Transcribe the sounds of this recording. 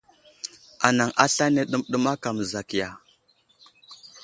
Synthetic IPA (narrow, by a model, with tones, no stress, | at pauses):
a˨na˨ŋʔa˦ɬa˦ne˦ɗu˦mɗu˦ma˦ka˨m˨za˨ki˨ja˨